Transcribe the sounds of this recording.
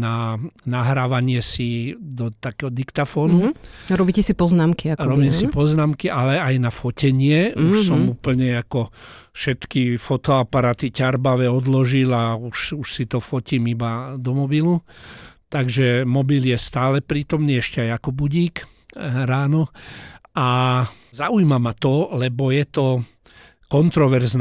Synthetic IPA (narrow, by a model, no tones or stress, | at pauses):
nanaɦɾaːʋaɲɪɛsid̪ɔt̪akɛːɦɔd̪ikt̪afɔːnuɾɔbicɛsipɔznaːmkiakɾɔbiːmsipɔznaːmkiʔalɛajnafɔcɛɲɪɛuʃsɔmuːpl̩ɲɛakɔ | fʃɛt̪kifɔt̪ɔapaɾaːt̪icaɾbaʋɛɔd̪lɔʒilauʃuʃsit̪ɔfɔciːmibad̪ɔmɔbilu | t̪aɡʒɛmɔbiljɛst̪aːlɛpɾiːt̪ɔmniːɛʃcɛajakɔbuɟiːk | ɾaːnɔ | azaujmamat̪ɔlɛbɔjɛt̪ɔ | kɔnt̪ɾɔʋɛɾzn